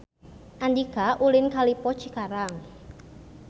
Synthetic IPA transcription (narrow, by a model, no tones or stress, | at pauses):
ʔand̪iɡaʔulɪnkalipɔ̥t͡ʃikaɾaŋ